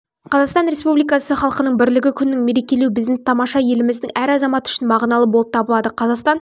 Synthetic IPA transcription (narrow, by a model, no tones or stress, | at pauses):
qʰɑzɑqst̪ɑnɾʲe̞spublijkɑsəχɑlˠqənəɴbɪɾlɪɡʲɪkʲʰʏnɪːɪŋme̞ɾe̞kʲe̞lewbɪzd̪ɪt̪ʰɑmɑʃɑje̞lɪmɪzd̪ɪŋæɾɑzɑmɑt̪ʏ̥ʃɪnmɑʁnɑlˠəpbo̞lˠəpt̪ʰɑbəlˠɑd̪əqʰɑzɑqst̪ɑn